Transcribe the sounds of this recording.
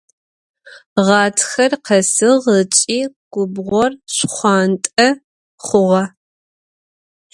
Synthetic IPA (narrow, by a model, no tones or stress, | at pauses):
ʁɑːtʰxɐrqʰɐsɨʁət͡ʃʼiːɡ̥ʷʊbʁʷɔrɕχʷɑːntʼɐ | χʷʊʁɐ